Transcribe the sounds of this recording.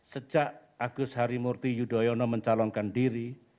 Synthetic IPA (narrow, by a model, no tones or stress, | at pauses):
sə̥d͡ʒ̥aʔaɡ̥ʊshaɾimurt̪ijudɔjɔnɔməɲt͡ʃalɔŋkanɖiɾi